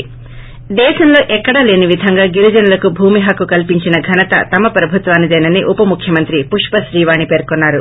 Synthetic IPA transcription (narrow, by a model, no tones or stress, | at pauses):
d̪ɛːʃɐmlo̞ːʔɛkːɐɽale̞ːniʋid̪ʱɐŋɡaːɡiɾid͡ʒɐnɐlɐkubʱuːmiɦɐkːukɐlpiɲt͡ʃinɐɡʱɐnɐt̪ɐ̰t̪ɐmɐpɾɐbʱut̪ʋaːnːid̪ɐjnɐnːiʔupɐmukʰjɐmɐnt̪ɾipuʂpɐʃɾiːʋaːɳipe̞ːɾkonːaːɾu